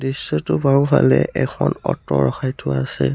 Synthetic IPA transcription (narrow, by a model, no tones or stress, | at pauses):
disːɔtʊbaʊ̃pʰalɛʔɛkʰɔnɔtɔɹɔxajtʰʊasɛ